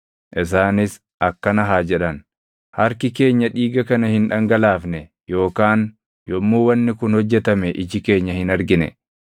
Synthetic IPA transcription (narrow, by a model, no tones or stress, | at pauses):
ʔɪs̬aːnɪs | ʔɐkːɐnɐɦaːd͡ʒɛᶑɐn | hɐɾkɪke̞ːɲːɐᶑiːɡɐkɐnɐhɪnᶑɐŋɡɐlaːfnɛ | jo̞ːkaːn | jɔmːuːwɐnːɪkʊnhɔd͡ʒːɛt̪ɐmɛʔɪd͡ʒɪke̞ːɲːɐhɪnɐɾɡɪnɛ̰